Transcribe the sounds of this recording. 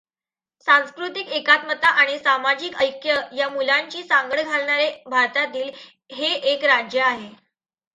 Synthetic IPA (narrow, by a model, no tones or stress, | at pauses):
sãñskɾut̪ikekat̪mət̪aʔaɽ̃isamad͡ʑikəjkjəjamulaɲt͡ɕiːsaŋɡəɽɡʱalɳaɾebʱaɾt̪at̪iːl | ɦeʔekɾad͡ʑjəaɦe